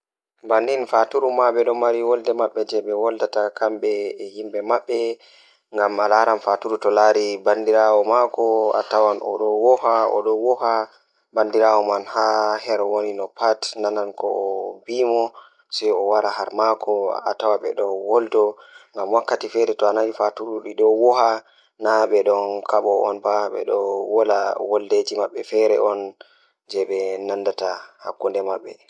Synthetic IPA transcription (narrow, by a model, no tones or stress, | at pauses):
bandinfatuɾumaɓɛɗɔmaɾiwɔldɛmaɓːɛd͡ʒɛɓɛwɔldatakamɓɛhimbɛmaɓːɛ | ŋɡamalaɾanfatuɾutɔlaɾibandiɾawɔmakɔa̰tawanʔɔ̰ɗɔwɔhaɔ̰ɗɔwɔha | bandiɾawɔmanhahɛɾɔwoninɔpatnanankɔːbimɔ | sɛjɔwaɾaɦaɾmakʰɔa̰tawaɓɛ̰ɗɔwɔldɔ | ŋɡamwakːatifɛɾɛtɔanawifatuɾuɗiɗɔwɔha | naɓɛɗɔnkʰaɓɔɔ̰nbaɓɛ̰ɗɔwɔlawɔlded͡ʒimaɓːɛfɛɾɛ̰ʔɔn | d͡ʒɛɓɛnandataha̰kːundɛmaɓːɛ